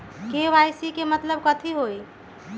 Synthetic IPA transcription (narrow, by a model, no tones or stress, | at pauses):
keʋajsikemət̪ləbkət̪ʰiɦoj